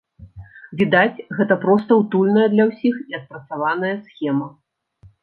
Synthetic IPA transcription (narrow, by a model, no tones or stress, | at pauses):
vʲid̪at͡sʲɣɛt̪ɐpɾɔst̪ɐwt̪ulʲnɐjɐd̪lʲɐwsʲixiɐt̪̚pɾɐt̪savanɐjɐsxʲɛmɐ